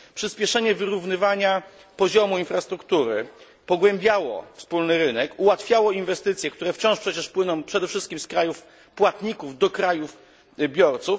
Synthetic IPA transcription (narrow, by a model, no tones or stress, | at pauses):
pʂɘspʲjɛʂɛɲɛvɘɾuvnɘvaɲa | pɔʑɔmuinfɾast̪ɾukt̪uɾɘ̰ | pɔɡwɛmbʲjawɔ̰fspulnɘɾɘnɛkuwat̪fʲjawɔinvɛst̪ɘt̪sjɛk̚t̪uɾɛft͡ɕɔ̃w̃ʂpʂɛt͡ɕɛʂpwɘnɔ̃w̃pʂɛd̪ɛfʂɘst̪̚kʲimskɾajuf | pwat̪ɲikuvd̪ɔkɾajuf | bʲjɔɾt̪suf